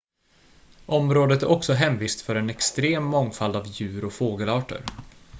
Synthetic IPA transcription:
ʔɔmɾoːd̪ət̪æɾʔɔksɔɦɛmviːst̪fœɾɛnɛkst̪ɾeːmːɔŋfald̪avjʉ̟ːɾɔfoːɡəlɑːʈə̰ɾ

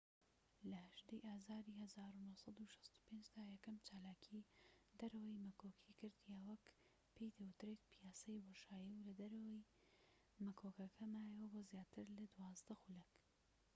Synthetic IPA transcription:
lɐhɐʒd̪ejʔaːzaːɾiːhɐzaːɾunohsˤɑd̪uʃɐ̥st̪u̥pend͡ʒd̪aːjɛkɐmt͡ʃaːlaːkʰid̪ɐɾɐwɐjmɐkoːkʰikɨɾd̪jawɐk | pʰejd̪ɐwʊt̪ɾeːt̪pʰijaːsɐjwoʃaːjiwlɐd̪ɐɾɐwɐj | mɐkʰoːkɐkʰɐmaːjɛwɐboːzjaːt̪ʰɨɾlɐd̪uwɑːzd̪ɐxulɐk

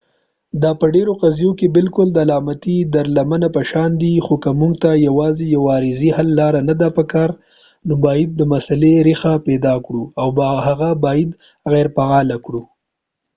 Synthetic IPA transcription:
d̪ɑpəɖeɾoqazijokebɪlkʊld̪əalɑmat̪id̪aɾlamanapəʃɑnd̪ixokamuŋɡt̪ajawɑzijawɑɾɪzihalːɑɾanad̪apəkɑɾ | nobɑjɪd̪̚ːəmasaleɾixapɛd̪ɑkɽuawbhaɣabɑjɪd̪ | ɣɛɾpaɣɑlakɽu

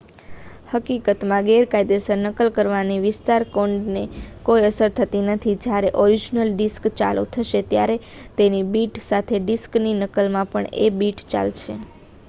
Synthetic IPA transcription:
həkikət̪mãɡɛɾkajd̪esəɾnəkəlkəɾʋaniʋɪst̪aɾkoɳɖnekojəsəɾt̪ʰət̪inət̪ʰid͡ʒjaɾeʔɔɾid͡ʒnəlɖiskt͡ʃa̰lṵt̪ʰəʃet̪jaɾet̪enibiʈsat̪ʰeɖiskninəkəlmãpəɳḛbiʈt͡ʃa̰lt͡ʃʰe

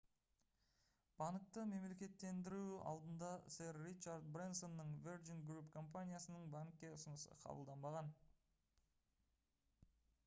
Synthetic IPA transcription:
b̥ɑnk̚t̪əme̞mle̞kʲe̞t̪ːe̞nd̪ɪɾuɑ̰lˠd̪ənd̪ɑseɾːit͡ʃaɾd̪̚bɾinso̞nːəɴverd͡ʒinɡɾupkʰo̞mpanʲijasənəɴbaŋkʲːe̞ʊsənəsə̰qʰɑ̰bəlˠd̪ɑnbɑʁɑn

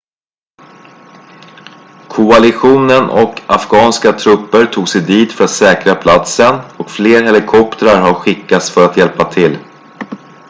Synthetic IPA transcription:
kʰʊalɪɧuːnənɔ̰ka̰fɡɑːnskat̪ʰɾɵpːəɾʈʰuːɡsɛjd̪iːd̪fœɾat̪sɛːkɾapʰlat̪sənɔkfleːɾɦɛlɪkʰɔpt̪əɾaɾɦaɾɧɪkːat̪sfœɾat̪jɛlpat̪ʰɪl

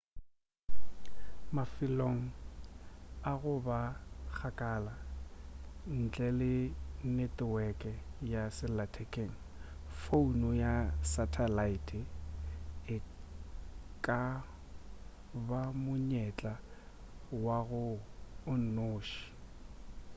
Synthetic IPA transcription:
mafɪloŋ̩ | aɣʊbak͡xʰakʼaːla | n̩t͡ɬʼɛlɪnɛtʼɪwɛkʼɛjasɪlatʰɛkʼeːŋ̩ | founɔjasatʰalaitʰʼɪ | ɪ | kʼa | bamʊɲɛt͡ɬʼa | waɣʊʊn̩noːʃi̥

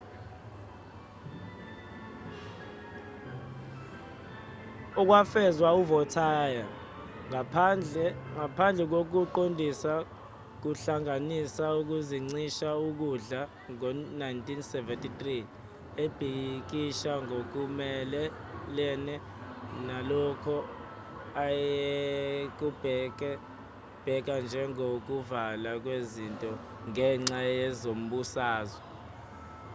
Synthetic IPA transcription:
ɔk̬wafɛzwauvɔtʰaːja | ŋ | ŋapʰand͡ɮʱɛk̬ok̬uǃondʱisa | k̬uɬaŋanisauk̬uziŋ͡ǀiʃauk̬uɮa | ŋɔnajntʰʼinsɛvɛntʼitʼri | eb̥ʱik̬iʃaŋok̬umɛlɛ | lɛːnɛ | nalɔkʰɔ | ajek̬ub̥ʱɛk̬ɛ | b̥ʱɛk̬and͡ʒʱɛŋok̬uvalak̬wezintʼɔ | ŋɛŋ͡ǁajɛzom̩ɓusaːzwɛ

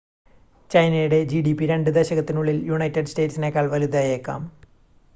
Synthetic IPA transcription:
t͡ɕɐjnɐjuɽe̞d͡ʑiːɖipːiɾe̞ɳɖɨd̪eɕɐɣɐt̪ːinuɭːiljuɳɐjtːɐɖsʈe̞ːʈsine̞ːkːaːɭʋɐlud̪aːjeːkːa̰ːm

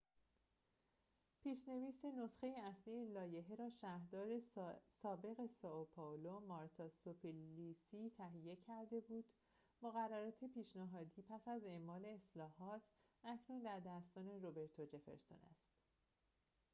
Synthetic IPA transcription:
pʰiːʃne̞viːseno̞sxe̞jeæslijelɒːje̞ɦeɾɒːʃæːhɾd̪ɒːɾesɒːbe̞ɣe̞sɒopʰolomɒɾt̪ʰɒsopʰilisit̪ʰæɦije̞cʰæɾd̪e̞buːd̪̥ | moɣærːæɾɒːt̪ʰepiːʃnæɦɒːd̪iːpʰæsæze̞mːɒːle̞ːslɒːɦɒːt̪ʰ | ʔæcʰnund̪æɾd̪æst̪ɒːne̞robe̞ɾt̪ʰod͡ʒe̞fe̞̰ɾso̰næ̰st̪

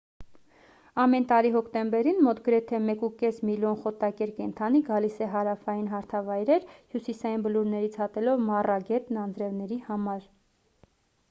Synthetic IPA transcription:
ɑmɛnt̪ɑɾiɦɔkʰt̪ɛmbɛɾinmɔt̪ɡəɾɛt̪ʰɛmɛkukɛsmiljɔnχɔt̪ɑkɛɾkɛnt̪ʰɑniɡɑlisɛɦɑɾɑfɑjinɦɑɾt̪ʰɑvɑjɾɛɾhjusisɑjinbəluɾnɛɾit͡sʰhɑt̪ɛlɔvmɑrɑɡɛt̪nɑnd͡zɾɛvnɛɾihɑmɑɾ

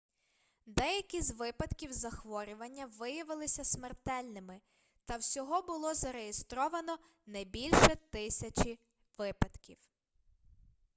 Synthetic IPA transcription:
d̪ɛjɐkʲizʲʋɪpɐd̪kʲiwzɐxʋɔɾʲʊʋɐnʲːɐʋɪjɐʋɪlˠɪsʲɐsmert̪ɛlʲnɪmɪ | t̪ɐwsʲɔɦɔbʊlˠɔzɐɾejest̪ɾɔʋɐnɔ | nɐjbʲilʲʃɛt̪ɪsʲɐt͡ʃi | ʋɪpɐd̪̥kʲiw

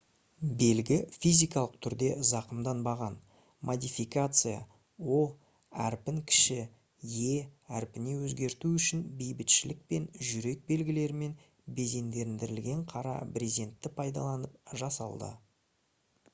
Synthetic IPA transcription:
be̞lɡʲɪfʲijzʲijkɑlˠəq̚t̪ʰʏɾd̪e̞zɑqəmd̪ɑnbɑʁɑn | mʔod̪ijfikat̪sɨja̰ | wo̞ | æɾpɪŋkʲʰɪ̥ʃɪ | je̞æɾpɪne̞wɵzɡʲe̞ɾt̪uʏʃɪnbejbɪt̪ʃɪlɪk̚pe̞nʒʏɾe̞k̚be̞lɡʲɪle̞ɾɪme̞n | be̞ze̞nd̪e̞ɾɪnd̪ɪɾɪlɡʲe̞ɴqʰɑɾɑ̰pɾʲizie̞nt̪ːɪpʰɑjd̪ɑ̰lˠɑnəp̚ʒɑsɑ̰lˠd̪ə̰

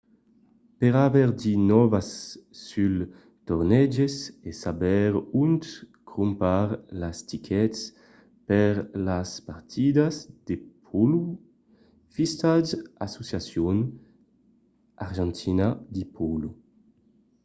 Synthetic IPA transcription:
peʁavɛʁd̪inɔvasː | yl | t̪oʁnɛd͡ʒesesabɛʁunt̪kʁumpaʁlast̪ikʰɛts | peʁlaspaɾt̪ʰid̪azd̪̥epʰɔlu | fist̪aza̰sosjasjon | aʁʒɛ̃nt̪ʰinad̪ipʰɔlu

